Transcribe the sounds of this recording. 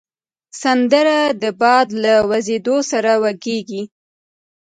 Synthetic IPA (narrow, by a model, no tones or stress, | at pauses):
sand̪əɾad̪əbɑd̪lawazed̪osaɾawaɡeɡi